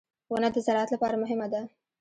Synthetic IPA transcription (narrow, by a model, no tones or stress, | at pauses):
wanad̪əzaɾɑat̪lapɑɾamʊɦɪmad̪a